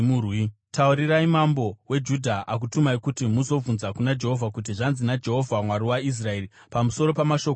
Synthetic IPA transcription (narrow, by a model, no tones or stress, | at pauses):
murwi | tauɾiɾaimambo̞we̞d͡ʒudʱaʔak̬utumaikutimuzo̞vunzakunad͡ʒe̞ɦo̞vʱakut̬iʐanzinad͡ʒe̞ɦo̞vʱamwaɾiwais̬rae̞ri | pamuso̞ɾo̞pamaʃo̞k